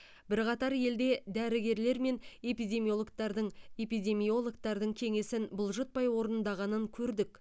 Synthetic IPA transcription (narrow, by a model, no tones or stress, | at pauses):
bɪɾqɑt̪ɑɾje̞ld̪e̞d̪æɾɪɡʲe̞ɾle̞ɾme̞nepijd̪ʲe̞miolˠkt̪ɑɾd̪əɴe̞pijd̪ʲe̞mijo̞lˠokt̪ɑɾd̪əɴkʲʰe̞ŋe̞sɪnbʊlˠʒət̪̚pɑjwo̞ɾənənd̪ɑʁɑnəŋkʲʰɵɾd̪ɪk